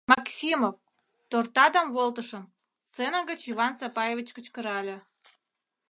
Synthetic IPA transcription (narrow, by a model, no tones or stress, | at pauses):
mɑksʲimof | t̪ort̪ɑd̪ɑmβolt̪əʃəm | t͡senəɣət͡ɕiβɑnsɑpɑjevʲit͡ɕkət͡ɕkə̆ɾɑlʲe